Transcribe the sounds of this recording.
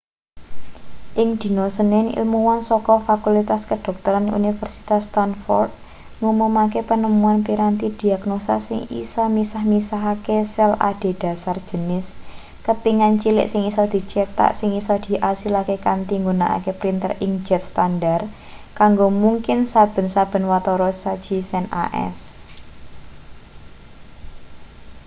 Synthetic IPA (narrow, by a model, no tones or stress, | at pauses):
ʔɪŋd̪̥i̤nosənɪnḭlmuwansɔkɔfakulit̪askəd̥ɔ̤k̚t̪ɔɾanṵnifərsi̥t̪ast̪anfɔ̰rd̪̚ | ŋumumakepənəmuanpiɾant̪id̪̥i̤aɡnosa̰sɪŋḭsɔmisahmisaɦakesɛla̰ɖ̥e̤d̥a̤sar̥ʒ̥ə̤nɪs | kəpiŋant͡ʃilɪ̰ʔsɪŋisɔd̪̥i̤t͡ʃet̪a̰ʔsɪŋisɔd̪̥i̤ʔasilakekant̪iŋɡunaʔa̰kepɾint̪ə̰riŋd͡ʒɛt̪̚st̪andar | kaŋɡomuŋkɪnsab̥ə̤nsab̥ə̤nwat̪ɔɾɔsad̥d͡ʒ̥i̤sɛna̰ʔɛ̰s